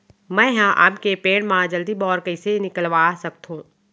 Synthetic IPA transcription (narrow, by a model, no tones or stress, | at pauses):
mɛ̃ːɦãʔa̰ːpkepeːɽmãːd͡ʒəld̪ibɔːɾkəisenɪkəlʋaːsɐk̚t̪ɦũː